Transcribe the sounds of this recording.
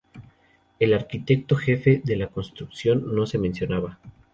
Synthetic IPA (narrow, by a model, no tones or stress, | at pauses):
e̞laɾkit̪e̞k̚t̪o̞xe̞fe̞ðe̞lako̞nst̪ɾuksjo̞nːo̞se̞mẽnsjo̞naβa